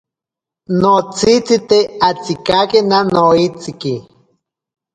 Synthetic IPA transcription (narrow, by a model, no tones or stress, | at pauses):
not͡sit͡sit̪eat͡sikakenanoit͡siki